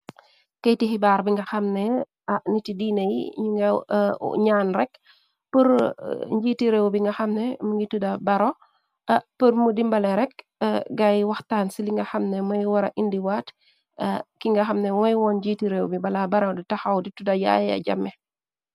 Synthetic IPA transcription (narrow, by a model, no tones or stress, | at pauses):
kɐjtiɦibaːɾbiŋɡɐxɐmnɛ | anitidiːnɐjḭɲuŋɐ̰ | ɲaːnrɛk̚ | pəɾɲɟiːtiɾewbiŋɡɐxɐmnɛmuŋɡitudɐbɐɾɔ | pəɾmudimbɐlɛɾɛk̚ | ɡɐjwɐxtaːnsiliŋɡɐxɐmnɛmɐjwɐɾɐ̰ʔindiwaːt | kiŋɡɐxɐmnɛmɔjwɔnɟitiɾewbibɐlabɐɾɐditɐxɐwditudɐja̰jɐ̰ɟɐ̰mːɛ